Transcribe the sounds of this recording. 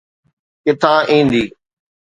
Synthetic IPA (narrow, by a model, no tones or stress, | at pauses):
kɪt̪ʰãːʔĩːnd̪iː